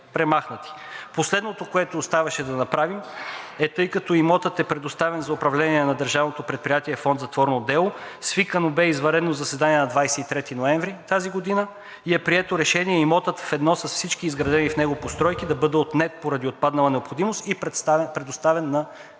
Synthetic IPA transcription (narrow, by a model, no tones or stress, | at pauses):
pɾɛmaxnət̪i̥ | poslɛd̪not̪okoɛt̪oːst̪avɐʃɛd̪ɐnɐpɾavimɛt̪ɤjkɐt̪ɔimɔt̪ət̪ɛpɾɛd̪ost̪avɛnzɐopɾɐvlɛniɛnɐd̪əɾʒavnot̪opɾɛt̪̚pɾijat̪iɛfɔnd̪zɐt̪vɔɾnod̪ɛlˠosvikənobɛizvɐɾɛd̪nozɐsɛd̪aniɛnɐd̪vajsɛit̪ɾɛt̪inoɛɱvɾit̪aziɡod̪inə | iɛpɾiɛt̪oɾɛʃɛniɛimɔt̪ət̪fɛd̪nɔsɐsfsit͡ʃk̟iːzɡɾɐd̪ɛnifnɛɡopost̪ɾɔjk̟id̪ɐbɤd̪ɛot̪nɛt̪̚poɾɐd̪iot̪̚pad̪nɐlˠɐnɛopxod̪imost̪ipt̪spɾɛd̪ost̪avɛnːɐ